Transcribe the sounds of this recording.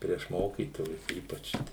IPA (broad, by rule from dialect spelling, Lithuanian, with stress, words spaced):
pʲrʲiɛʃ ˈmoːkʲiːtoːjʊs ˈiːpɐt͡ʃ